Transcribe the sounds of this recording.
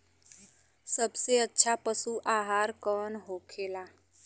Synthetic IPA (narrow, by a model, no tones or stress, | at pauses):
səbseətːʃʰapəsuʔaːɦaːɾkəːnɦokʰeːla